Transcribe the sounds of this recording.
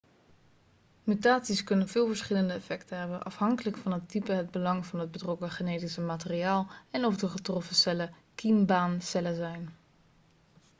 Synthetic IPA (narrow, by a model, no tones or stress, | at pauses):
mytaːtsiskɵnənvɪːlˠvəɹsχɪləndəɛfɛktəɦɛbənʔɑ̰fhɑŋkələkfɑnɦətipəɦəd̚bəlɑŋvɑnɦəd̚bətrɔkəχeneːtisəmaːtəriaːlˠɛnɔfdəχətrɔfəsɛlə | kimbaːnsɛləzɛjn